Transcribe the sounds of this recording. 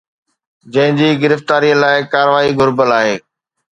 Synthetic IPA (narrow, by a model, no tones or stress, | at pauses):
d͡ʑɐ̃ɦɪ̃ɲd͡ʑiːɡɪɾəft̪aːɾiəlaːɪkaːɾəʋaːiɡʱʊɾbəlaːɦeː